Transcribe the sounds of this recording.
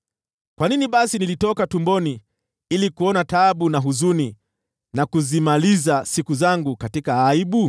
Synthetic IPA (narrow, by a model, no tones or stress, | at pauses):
kwaniniɓasinilitɔkatumbɔni | ilikuɔnataɓunaɦuzuni | nakuzimalizasikuzaŋɡukatikaːiɓu